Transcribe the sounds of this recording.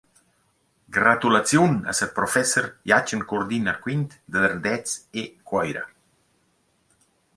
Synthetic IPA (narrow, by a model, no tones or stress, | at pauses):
ɡɾat̪ulat͡sjunə̰səɾpɾofɛsəɾjat͡ʃəŋkuɾd̪inakwint̪d̪əðəɾrd̪ɛt͡sekwɔjɾə̰